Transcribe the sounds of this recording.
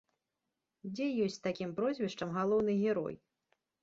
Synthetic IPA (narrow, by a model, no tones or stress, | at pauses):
d͡zʲɛjɔsʲt͡sʲt̪akʲimpɾɔzʲvʲɛʂt͡ʂɐmɣalˠɔwnɨɣʲɛɾɔ̰j